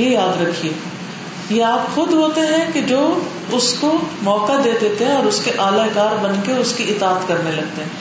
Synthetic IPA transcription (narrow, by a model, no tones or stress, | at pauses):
ejaːd̪ɾɐkʰieː | jeaːpxʊd̪ɦoːt̪eɦɛ̃ked͡ʒoː | ʊskomɔːkad̪eːd̪eːt̪eɦɛ̃ɔːɾʊskeʔaːlakaːɾbɐnkeʊskiɪt̪aːət̪kɐɾnelɐɡ̚t̪eɦɛ̃ː